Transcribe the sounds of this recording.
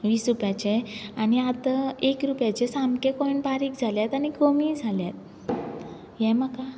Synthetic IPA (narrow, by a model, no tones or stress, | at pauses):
ʋiːsɾupjat͡ɕeañiat̪əekɾupjat͡ɕesamkekɔinbaɾiːkd͡zʱaljat̪añiɡomid͡zʱaljat̪̚ | jɛ̃məka